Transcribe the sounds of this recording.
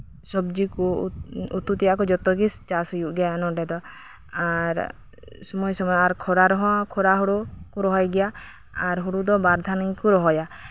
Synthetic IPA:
sɔb̚d͡ʒikuut̪ut̪ijaʔkɔd͡ʒɔt̪ɔɡist͡ʃasɔjuʔɡɛjanɔɖɛd̪ɔ | aɾ | sɔmɔjsɔmɔjɔaɾkʰɔɾaɾɔɦɔ̃kʰɔɾaɦɔɽukuɾɔɦɔjɡɛja | aɾɦuɽud̪ɔbaɾd̪ʱanijkuɾɔɦɔja

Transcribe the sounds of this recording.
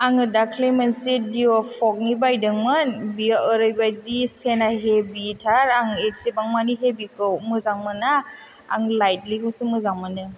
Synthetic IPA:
aŋɯdakʰlemansidiopʰɔk̚nibajdɯŋmɯnbiaɔɾɯjbajdisenaɦebitʰaɾaŋetsipaŋmaniɦebikʰɯwmɯzaŋmɯna̰ː | ŋlajt̚likɯsɯmɯzaŋmɯnɯ

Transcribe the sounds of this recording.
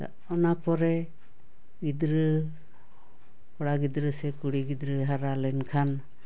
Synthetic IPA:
t̪a̰ | ɔnapɔɾɛ | ɡid̪ɾə | pɔɽaɡid̪ɾəsɛkuɽiɡid̪ɾəɦaɾalɛnkʰan

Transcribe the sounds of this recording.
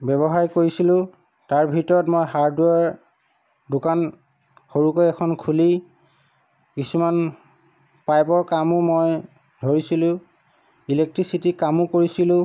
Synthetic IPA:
bɛβɔɦaɹkoɹisilʊ̃ | taɹbʱitɔɹɔtmojɦaɹdwɛɹ | dʊkan | xoɹukojɛkʰɔnkʰuli | kisuman | pajbɔɹkamʊmoj | dʱoɹisilʊ̃ | ilek̚tɹisitikamʊkoɹisilʊ̃

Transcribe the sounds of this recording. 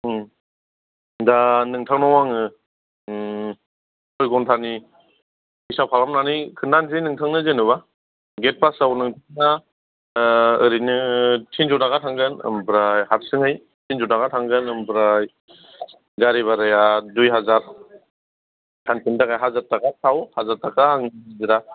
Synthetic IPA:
danɯŋtʰaŋnawaŋɯ | tʰɔjɡɔntʰani | isapʰalamnanikʰɯndanzɯjnɯŋtʰaŋnɯzenɯβa | ɡet̚pasawnɯŋtʰɯŋna | ɯɾinɯtʰinzɔtnaɡatʰaŋɡɯnɯ̰mbɾajhat̚sɯŋɯj | tʰinzɔdaɡatʰaŋɡɯnɯmbɾaj | ɡaɾiβaɾɯjadujɦazaɾ | tʰanpʰindaɡajɦazatakasawhazaɾtakaːŋazɯɾa

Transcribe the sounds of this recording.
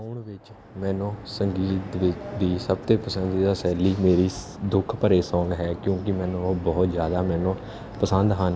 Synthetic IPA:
ɳʋɪt͡ʃ | mɛ̃ːnõːsəŋɡiːt̪ʋɪt͡ʃd̪iːsəbt̪ẽːpəsə̃nd̪iːd̪aːsɛːliːmeːɾiː | d̪ʊkʰpəɾeːsɔ̃ːŋɡɦɛːkjõːkɪmɛ̃ːnõbɔːt̪zjaːd̪aːmɛ̃ːnõː | pəsə̃nd̪ɦən

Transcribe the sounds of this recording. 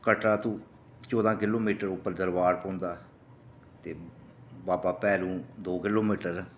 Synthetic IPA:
kəʈɾaːt̪ũː | t͡ʃɔːd̪ãːkɪloːmiːʈəɾʊpːəɾd̪əɾʋaːɾpõːnd̪aː | t̪eːbaːpaːpɛːɾũːd̪oːkɪloːmiːʈəɾ

